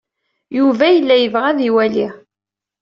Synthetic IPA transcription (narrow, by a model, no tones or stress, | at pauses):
juvæjəlːæjəvʁæðiwæli